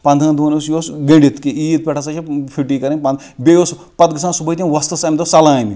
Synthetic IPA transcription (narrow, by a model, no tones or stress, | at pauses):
pɐ̃nd̪ɐ̃nd̪uːnɐsjoːsɡɐ̃ɳɖit̪kiiːt̪̚pʲɛʈʰɐsɐt͡ʃʰɐpʰiʈiːkɐɾɐ̃nʲpɐ̃nd̪ | bejoːs | pɐt̪ɡɨsãːnsubɐjt̪ʲĩʋɐst̪ɐsamʲd̪osɐlãːmi